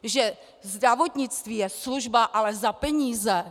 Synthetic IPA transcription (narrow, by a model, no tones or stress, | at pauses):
ʒɛ | zd̪ɾavot̪ɲɪt͡st̪viːjɛsluʒbaʔalɛzapɛɲiːzɛ